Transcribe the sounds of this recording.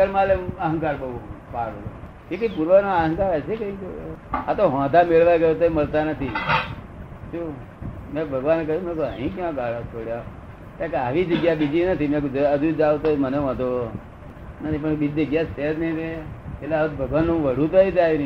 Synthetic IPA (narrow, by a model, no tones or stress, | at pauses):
əɾmãleəɦə̃ŋkaɾbəɦupaːɽoo̰ | kikəipuɾʋənaəɦə̃ŋkaɾəsekəikoat̪oɦãːd̪ʱameɭʋaɡəjot̪oməlt̪anət̪ʰi | t͡ʃu | mẽbʱəɡʋankəjũmẽkoəɦĩkãɡaːɽ̤at͡ʃʰoɽja | t̪ãkeaːʋid͡ʒəɡjabid͡ʒinət̪ʰimẽkd͡ʒəd͡ʒud͡ʒaʋot̪oməneʋə̃d̪o | nət̪ipəɳbid͡ʒd͡ʒəɡjased̪neʋeeleaʋt̪bʱəɡʋanːõʋəɽ̤ũt̪oit̪ain